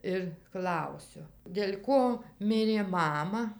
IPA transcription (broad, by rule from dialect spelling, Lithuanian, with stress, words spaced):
ɪr ˈklˠɐʊsʲʊ dʲeːlʲ ˈkoː ˈmʲɪrʲeː ˈmɑːmɐ